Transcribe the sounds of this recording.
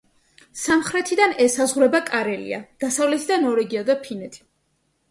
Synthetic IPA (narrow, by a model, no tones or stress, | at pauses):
samχɾɛt̪ʰid̪anɛsazʁuɾɛbakʼaɾɛlḭa̰d̪̥asavlɛt̪ʰid̪anɔɾɛɡiad̪apʰinɛt̪ʰi̥